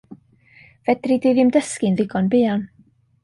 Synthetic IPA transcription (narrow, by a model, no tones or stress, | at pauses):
vɛdrideðɪmdəskɪnðɪɡɔnbɪːan